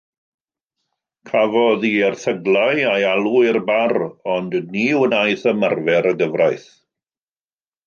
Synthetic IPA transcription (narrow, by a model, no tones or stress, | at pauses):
kʰavɔðiɛrθəɡlˠajajalˠuɪrbarɔndniwənajθəmarvɛɾəɡəvrajθ